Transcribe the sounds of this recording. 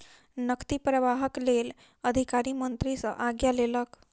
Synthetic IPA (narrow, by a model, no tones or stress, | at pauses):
nəkt̪ipɾəʋaɦəklel | əd̪ʱikaɾimənt̪ɾisə̰ʔaɡjalelək